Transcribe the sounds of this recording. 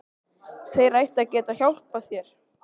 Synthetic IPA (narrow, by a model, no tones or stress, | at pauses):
θejrajht̪acɛːt̪açjawl̥̚paθjɛɾ̥